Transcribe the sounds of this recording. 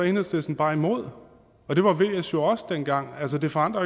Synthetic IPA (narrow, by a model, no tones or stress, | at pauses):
ɒe̝nð̩ˠsd̥esn̩b̥ɑ̈ːimo̝ð̞̰ˠ | ɒ̽d̥e̝ʋɑ̈ʋe̝̰ːesjo̝ɒ̽sd̥enɡ̥ɑ̈ŋ̰ælsəd̥e̝fɒɑ̈n̰d̥ʁɐ